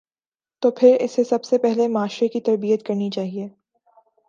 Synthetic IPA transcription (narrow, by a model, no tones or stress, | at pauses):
t̪oːpʰɪɾɪsesɐbsepɛɦlemaːʃɾekit̪ɐɾbijət̪kɐɾnit͡ʃaːɦieː